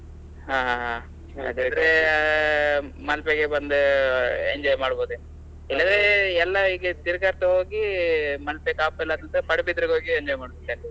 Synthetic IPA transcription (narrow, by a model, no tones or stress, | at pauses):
ɦaːɦaɦa | ɐ̰d̪id̪ɾe | mɐlpeɡebɐnd̪eeɲd͡ʒɔːjmaːɽboːd̪uen | ilːɐd̪ɾeɛlːɐiːɡet̪iɾɡaːɾt̪ɐɦo̞ːɡimɐlpekaːpɛlːɐt̪ɐnt̪ɐpɐɽɐbid̪ɾɐɡo̞ːɡieɲd͡ʒɔːjmaːɽbit̪ːal